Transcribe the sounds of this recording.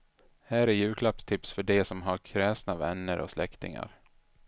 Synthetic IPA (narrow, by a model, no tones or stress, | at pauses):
hæːɾɛjʉ̟ːkʰlapst̪ʰɪpsfœɖɛsɔmɦaɾkʰɾɛːsnavɛnːəɾʔɔ̰slɛkt̪ɪ̰ŋa̰ɾ